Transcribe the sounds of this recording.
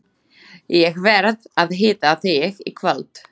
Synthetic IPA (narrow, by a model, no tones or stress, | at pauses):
jɛɣvɛɾðaðɦɪːt̪aθɪɣḭkʰvalt̪